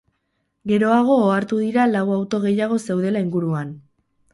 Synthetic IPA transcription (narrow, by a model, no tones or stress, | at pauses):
ɡe̞ɾo̞aɣ̞o̞ːaɾt̪uðiɾalawawt̪o̞ɣ̞e̞jaɣ̞o̞se̞wðe̞laiŋɡuɾuan